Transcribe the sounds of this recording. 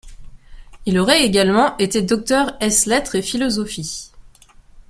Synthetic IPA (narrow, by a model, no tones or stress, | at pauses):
ilɔʁɛeɡalmɑ̃ʔet̪ed̪ɔk̚t̪œʁɛslɛt̪χefilɔzɔfi